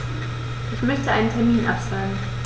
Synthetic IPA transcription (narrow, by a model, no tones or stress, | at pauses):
ʔɪçmœçtəʔaɪnəntʰɛɐmiːnʔa̰pz̥aːɡŋ̩